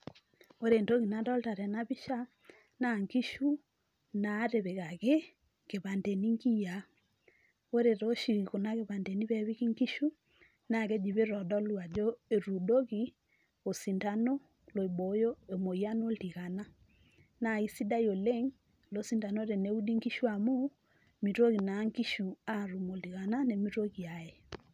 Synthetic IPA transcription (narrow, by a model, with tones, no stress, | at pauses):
o˦ɾe˨nto˦ɣi˨na˨ndɔ˦lta˨ɾɛ˨na˦βi˦ʃa˦ | na˨ŋki˦ʃu˦ | naː˨˦ɾe˨βe˨ɣa˨ɣe˦ | ke˨βa˨nde˨ni˦ŋɡi˦ja˨ | o˦ɾe˨ɾo˦ʃi˨ɣi˨ko˨na˦ɣe˨βa˨nde˨ni˦βɛ˨βi˦ki˦ŋki˦ʃu˦ | na˨ɣe˦d͡ʒi˨βe˦ɾɔ˨dɔ˦lu˦a˨d͡ʒo˦e˨ɾu˨do˦ɣi˦ | o˨si˨nta˦no˦ | lo˨e˨bo˨˦jo˦e˨mo˨i˨a˦no˦lti˨ɣa˨na˦ | na˨i˦si˦da˦jo˨le˦ŋ | lo˦si˦nta˨no˦ɾe˨ne˨˦u˦di˦ŋki˦ʃu˦a˨mu˦ | mi˨to˦ɣi˨na˨˦ŋki˦ʃu˨a˦˨ɾu˨mo˨li˨ɣa˨na˦ne˨mi˦to˦ɣi˨a˨e˨